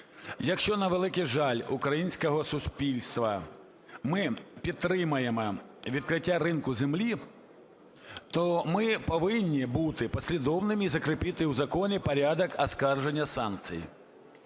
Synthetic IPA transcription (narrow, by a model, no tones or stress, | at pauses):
jɐkʂt͡ʃɔnɐʋɛlˠɪkʲiʐalʲukɾɐjinʲsʲkɐɦɔsusʲpʲilʲst̪ʋɐ̰ | mɪpʲit̪ːɾɪmɐjɛmɐʋʲit̪̚kɾɪtʲːaɾɪnkʊzʲɛmlʲi | t̪ɔmɪpɐʋɪnʲːibut̪ɪpɐsʲlʲid̪ɔwnɪmʲizɐkɾɪpʲit̪ɪwzɐkɔnʲɛpɐɾʲad̪ɐkɐskarʒɛnʲːɐsank̚t̪sɨ̰j̰